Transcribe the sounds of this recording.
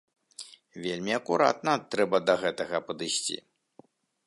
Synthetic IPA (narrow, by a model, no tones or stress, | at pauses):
vʲelʲmʲiɐkuɾa̰t̪nɐt̪ɾɛbɐd̪ɐɣɛt̪ɐɣɐpɐd̪ɨsʲt͡sʲḭ